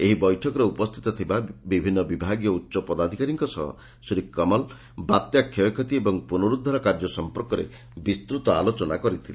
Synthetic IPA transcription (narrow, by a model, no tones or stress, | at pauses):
eɦibɔjʈʰɔkɔɾeupɔst̪ʰi̥t̪ɔt̪ʰibabibʱinːɔbibʱaɡjɔutːʃɔpɔd̪ad̪ʱikaɾiŋkɔsɔ̰ɦɔ̰ | sɾikːɔmɔl | bat̪jakʰjɔjkʰɔt̪̬iebɔŋpunɔɾud̪ʱːaɾɔkaɾd͡ʒɔsɔmpɔɾkɔɾḛ | bist̪ɾut̪ɔa̰lot͡ʃɔnakɔɾit̪ʰile